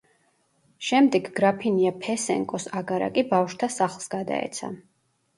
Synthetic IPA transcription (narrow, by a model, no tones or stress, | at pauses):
ʃɛmd̪ɛɡɡɾapʰiniapʰɛsɛ̰ŋkʼɔsaɡaɾa̰kʼibafʃt̪ʰasaχlˠsɡad̪a̰ɛ̰t̪sʰa̰